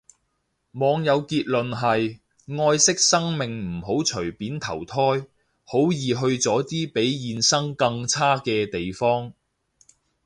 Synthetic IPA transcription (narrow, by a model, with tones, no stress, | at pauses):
mɔː˨˧ŋjɐ˨˧wkiː˧t̚lɵ˨nɦɐ˨j | ŋɔː˧jsɪ˥k̚sɐ˥ŋmɪ˨˩ŋm̩˨˩ɦo˨˥wt͡ʃʰɵ˨˩ɥpiː˨˥nt̪ʰɐ˨˩wt̪ʰɔː˥j | ho˨˥wjiː˨ɦɵ˧ɥt͡sɔː˨˥t̪iː˥pe˨˥jjiː˨˧nsɐ˥ŋkɐ˧ŋt͡sʰaː˥kɛː˧t̪e˨jfɔː˥ŋ